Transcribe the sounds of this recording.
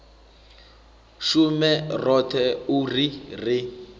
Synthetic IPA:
ʃumɛrɔtʰɛurirɪ

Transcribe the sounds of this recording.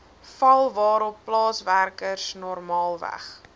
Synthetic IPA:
fɐlˠvɑːɾɔpːlɑːsværkərsnɔrmɑːlˠvæ̰χ

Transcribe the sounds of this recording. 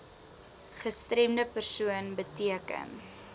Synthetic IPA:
χəstɾɛmdəpərsuənbətiəkə̰n

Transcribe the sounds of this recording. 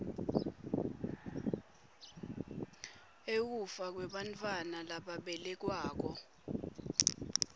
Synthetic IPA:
ek̬ufak̬wɛɓantʰʼwanalaɓaɓɛlɛk̬waːk̬ɔ

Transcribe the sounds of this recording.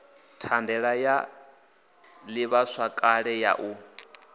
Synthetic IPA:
tʰandɛɺaja | liβaswakʼaɺɛja̰ʔu

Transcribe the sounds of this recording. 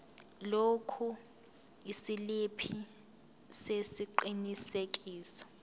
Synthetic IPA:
lokʰu | isilipʰi | sesiǃinisek̬ʼiːsɔ̥

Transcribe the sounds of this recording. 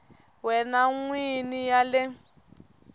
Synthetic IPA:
wɛnaŋwinijalɪ

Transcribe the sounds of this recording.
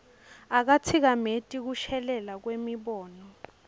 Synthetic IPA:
ak̬at͡sʰik̬ametʼik̬uʃɛlɛlak̬wemiɓɔːnɔ

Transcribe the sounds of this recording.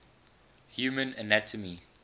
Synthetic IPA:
hjuːmə̃nənætʰəmi

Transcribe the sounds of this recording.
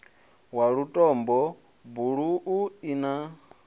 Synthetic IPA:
waɺutʼɔmbɔ | buɺuʔuina

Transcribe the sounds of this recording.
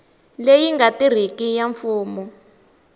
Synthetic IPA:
lejiŋɡatir̤ikijaɱfuːmɔ

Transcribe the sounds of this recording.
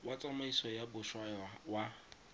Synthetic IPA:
wat͡sʼamaisɔjabʊʃwajawa

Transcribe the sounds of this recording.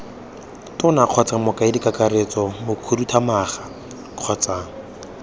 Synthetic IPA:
tʊnaq͡χʰɔt͡samɔkaɪdikʼakaɾet͡sʼɔmokʰudutʰamaːχa | q͡χʰɔt͡saːŋ̩

